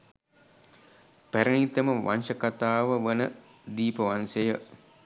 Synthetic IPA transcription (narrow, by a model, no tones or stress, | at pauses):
pæɾənit̪əməʋa̰nʃəkat̪aːʋəʋənə | d̪iːpəʋansejə